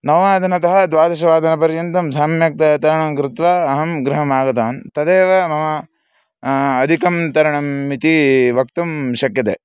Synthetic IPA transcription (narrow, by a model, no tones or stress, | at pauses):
nɐʋaːd̪ʱɐnɐt̪ɐɦɐd̪ʋaːd̪ɐʃɐʋaːd̪ʱɐnɐpɐɾjɐnt̪ɐmsaːmjɐk̚t̪ɐt̪ɐɾɐɳɐmkɾɪt̪ʋaɐɦɐmɡɾɐɦɐmaːɡɐt̪aːnt̪ɐd̪eːʋɐmɐmɐ | d̪ʱikɐmt̪ɐɾɐɳɐmːit̪iʋɐk̚t̪ɐmʃɐkjɐt̪ḛː